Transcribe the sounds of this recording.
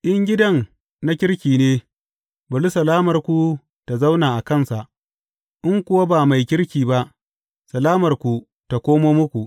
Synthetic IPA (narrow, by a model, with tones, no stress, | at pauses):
ʔɪ˦ŋɡʲɪ˦dɐ˦n | na˦kʲɪ˦rkʲiː˨neː˦ | bɐ˨lu˦sɐ˨laː˦mɐ˨rkʷu˦ | ta˨za˦wnaː˨ʔa˨kɐ˦˨nsa˨ʔ | ʔɪ˦ŋkʷʊ˦wa˦baː˨ma˨jkʲɪ˦ɽkʲiː˨ba˦ʔ | sɐ˨laː˦mɐ˨rkʷu˨ | ta˨kʷoː˦moː˦mʊ˦kʷu˨ʔ